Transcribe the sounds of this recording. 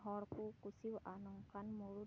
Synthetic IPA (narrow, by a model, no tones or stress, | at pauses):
ɦɔrkukusiwʔanɔŋkanmuɾu